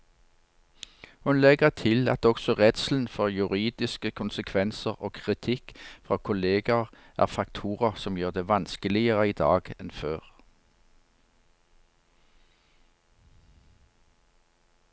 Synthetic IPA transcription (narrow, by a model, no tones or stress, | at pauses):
hʉnlɛɡəʁt̪ʰɪlɑ̰t̪ɔksɔʁɛt̪sl̩n̩fɔʁjʉʁiːd̪ɪskəkʰʊnsəkʰʋɛnsəʁoːkʰʁɪt̪ʰɪkfʁɑːkʰʊleːɡɑʁ | ʔæ̰ːʁfɑkt̪ʰuːʁɑsɔmjøːʁd̪eːʋɑnskəlɪəʁəiːd̪ɑ̰ːɡ̥ɛnføːʁ